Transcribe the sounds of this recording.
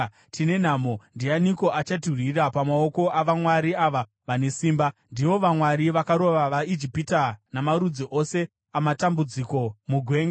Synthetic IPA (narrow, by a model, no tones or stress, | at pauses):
tine̞n̤amo̞ndianiko̞ʔat͡ʃaturirapamao̞ko̞ʔaʋamwaɾiaʋa | ʋane̞siːmbandiʋo̞ʋamwaɾiʋakaɾo̞ʋaʋaid͡ʒipitanamaɾud͡ziʔo̞se̞ | amatambud͡ziko̞muɡʱwe̞ːŋɡa